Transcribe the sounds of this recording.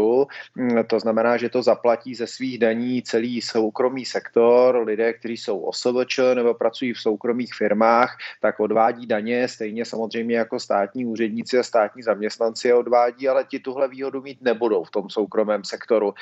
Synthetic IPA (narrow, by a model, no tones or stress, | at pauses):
u | t̪o̞znamɛnaːʒɛt̪o̞zaplaciːzɛsviːɣdaɲiːt͡sɛliːsowkɾo̞miːsɛkt̪o̞ɾlɪdɛːk̚t̪ɛɾ̝iːso̞wʔo̰səb̩t͡ʃənɛbo̞pɾat͡sujiːfso̞wkɾo̞miːxfɪɾmaːxt̪akʔo̞dvaːɟiːdaɲɛst̪ɛjɲɛsamo̞zr̝ɛjmɲɛjako̞st̪aːt̪ɲiːuːrɛdɲɪt͡sɪast̪aːt̪ɲiːzamɲɛst̪nant͡sɪao̞dvaːɟiːalɛcɪt̪uɦlɛviːɦo̞dumiːt̪nɛbudo̞wft̪o̞mso̞wkɾo̞mɛːmsɛkt̪o̞ɾu